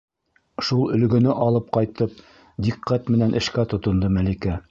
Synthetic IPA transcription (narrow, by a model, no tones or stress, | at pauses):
ʃulˠɵ̆lɡɵ̆nɘʔɑlˠɤp̚qɑjt̪ɤp̚ | d̪iqːæt̪mɘ̆nænʔɘ̆ʃkæt̪ŏt̪ŏnd̪ɤmælikæ